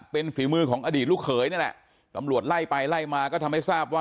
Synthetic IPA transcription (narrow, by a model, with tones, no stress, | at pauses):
pe˧nfiː˩˦mɯː˧kʰɔː˩˦ŋʔaː˧diː˨˩t̪̚lu˥˩kʰɤː˩˦jni˥˩lɛ̰˨˩ʔ | t̪a˧mɾu˨˩ət̪̚la˥˩jpa˧jla˥˩jmaː˧kɔː˥˩t̪ʰa˧ma˥˩jsaː˥˩p̚waː˥